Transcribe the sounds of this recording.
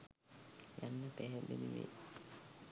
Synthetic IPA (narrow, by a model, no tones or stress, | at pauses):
janːəpæɦɛndeniʋḛ